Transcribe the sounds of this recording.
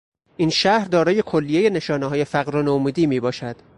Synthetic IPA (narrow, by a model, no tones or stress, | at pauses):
ʔiːnʃæhɾd̪ɒːɾɒːjekʰolːije̞je̞ne̞ʃɒːneɦɒːje̞fæɣɾonomuːd̪iːmiːbɒːʃæd̪̥